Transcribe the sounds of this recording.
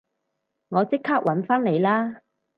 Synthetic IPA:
ŋɔː˨˧t͡sɪ˥kʰːaː˥k̚wʔɐ˨˥nfaː˥nle˨˧jlaː˥

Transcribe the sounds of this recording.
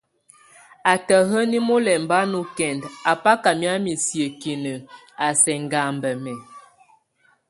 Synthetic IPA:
a˨tə˨ɦə˦ni˦mo˦lɛ˨mba˦nu˦kɛ˨nda˨pa˦ka˨mja˦mi˨sjə˨ki˨nə˨ | a˨sɛ˨ŋɡa˨mbə˨mɛ˨

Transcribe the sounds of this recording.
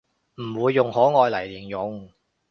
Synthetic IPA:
m̩˨˩wuː˨˧jːʊ˨˧ŋhɔː˨˥ŋɔː˨˧jlɐ˨˩jliː˨˩njʊ˨˧ŋ

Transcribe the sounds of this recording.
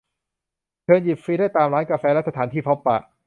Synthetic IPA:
kʰɤː˧nji˨˩p̚fi˦˥da˥˩jt̪aː˧mɾaː˦˥nka˧fɛː˧lɛ˦˥sa˧t̪ʰaː˩˦nt̪iː˥˩pʰɔ˦˥pːa˨˩ʔ

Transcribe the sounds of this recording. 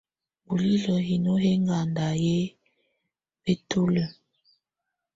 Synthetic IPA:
bu˨li˦lə˨ɦi˨no˦ɦe˦ŋɡa˨nda˨je˦ | be˦tu˦lə˨

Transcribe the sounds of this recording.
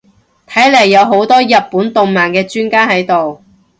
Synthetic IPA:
t̪ʰɐ˨˥jlɐ˨˩jːɐ˨˧wɦo˨˥wt̪ɔː˥jɐ˨t̚puː˨˥nt̪o˨ŋmaː˨˩nkɛː˧t͡ʃyː˥nkaː˥ɦɐ˨˥jt̪o˨w

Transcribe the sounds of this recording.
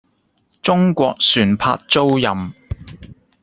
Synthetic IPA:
t͡sʊ˥ŋkʷɔː˧k̚syː˨˩npʰa̰ː˧t̚t͡so˥wjɐ˨m

